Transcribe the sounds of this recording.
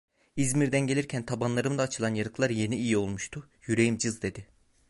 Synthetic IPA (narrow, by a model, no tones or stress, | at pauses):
izmiɾd̪ænɟe̞lʲiɾcʰænt̪ʰabanlˠaɾɯmd̪aːt͡ʃʰɯlˠanjaɾɯklˠaɾje̞niijio̞lˠmuʃt̪ʰʊ | jyɾe̞jimd͡ʒɯzd̪e̞d̪ɪ